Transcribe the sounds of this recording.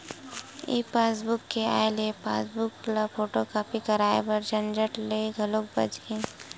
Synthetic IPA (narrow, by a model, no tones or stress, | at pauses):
ḭpaːsbʊkːea̰ːelepa̰ːsbʊklapʰoːʈokaːpikɐɾaːḛpɐɾd͡ʒɐnd͡ʒəʈleɡʱɐlok̚bɐ̰d͡ʒẽ